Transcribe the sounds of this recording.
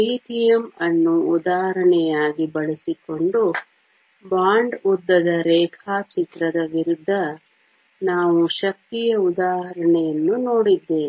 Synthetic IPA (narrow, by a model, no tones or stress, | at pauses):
iːʈijɐmɐnːuːd̪aːɦɐɾɐɳɛjaːɡibɐɭisiko̞ɳɖu | baːɳɖud̪ːɐd̪ɐɾɛːkʰaːt͡ʃit̪ɾɐd̪ɐʋiɾud̪ʱːɐ | naːʋuʃɐk̚t̪ijɐud̪aːɦɐɾɐɳɛjɐnːunoːɽid̪ːe̞ːni